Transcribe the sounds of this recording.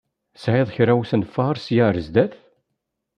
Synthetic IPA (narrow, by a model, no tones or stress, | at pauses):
sʕɪðˤçɾæwsənfɑɾsjaɾəzd̪æθ